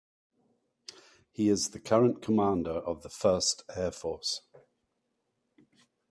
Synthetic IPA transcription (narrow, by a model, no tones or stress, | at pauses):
hiɪzðəkʰʌɹə̃nkʰəmɑ̃ˑndəɹʔəvðəfɜˑstɛːfɔˑs